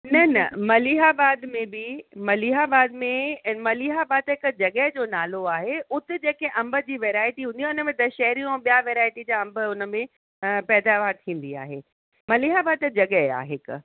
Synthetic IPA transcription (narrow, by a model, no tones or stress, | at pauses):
nɐnɐ̰mɐliɦaːbaːd̪mẽbɪmɐliɦaːbaːd̪mẽmɐliːɦaːbaːd̪ɦɪkd͡ʑɐɠəɦd͡ʑoːnaːloaːɦeʊt̪ɪ̆d͡ʑeːkeʔɐ̃mbəd͡ʑiːʋeːɾaːɪʈiɦũːniaːʊnəmẽd̪ɐʃɛɦɾijõɛ̃ɓijaʋeːɾaːɪʈid͡ʑaːɐ̃mbə̆ʊnə̆mẽ | pɛːd̪aːʋaːɾt̪ʰĩːn̆d̪ia̰ːɦḛː | mɐliːɦaːbaːd̪̚d͡ʑɐɠəɦa̰ːɦɪk̆